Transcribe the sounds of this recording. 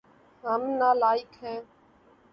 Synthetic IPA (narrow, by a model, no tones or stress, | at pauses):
ɦəmnaːlaːɪkɦɛ̃ː